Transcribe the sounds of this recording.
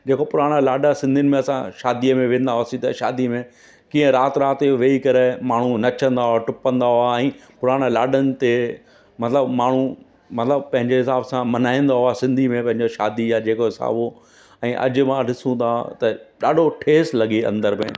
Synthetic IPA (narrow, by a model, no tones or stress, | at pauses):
d͡ʑeːkopʊɾaːɽ̃əlaːɖasɪ̃nd̪ʱiʊnɪ̆mẽɐsã̰ʃaːd̪iəmẽʋẽːn̆d̪aɦoaːsĩt̪ʃa̰ːd̪imẽ | kĩːə̃ɾaːt̪ɾaːt̪ʋeːikɐɾemaːɳ̤unɐt͡ɕʰə̃nd̪aɦʊaʈʊpə̃nd̪aɦʊaɛ̃ːpʊɾaːɽ̃əlaːɖənɪ̆t̪e | mɐt̪ɪləbmaːɳ̤u | mɐt̪ɪləbpɐ̃ɦɪ̃ɲd͡ʑeɦɪsaːbsãmɐnaːĩn̆d̪aɦʊasɪ̃nd̪ʱimẽpɐ̃ɦɪ̃ɲd͡ʑoʃa̰ːd̪ijad͡ʑeːkoɦɪsa̰ːbo | ɛ̃ːʔɐ̰d͡ʑʊmãɗɪsũnd̪at̪ɐɗaːɖʱoʈʰeːslɐɡiɐ̰̃nd̪əɾmḛ̃